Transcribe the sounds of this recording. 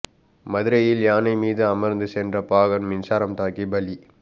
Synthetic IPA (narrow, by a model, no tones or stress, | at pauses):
mɐðɪɾɐjɪljaːnɐɪmiːðɯɐmɐɾnd̪ɯsɛndrɐpaːɣɐnmɪnsaːɾɐmt̪aːkibɐli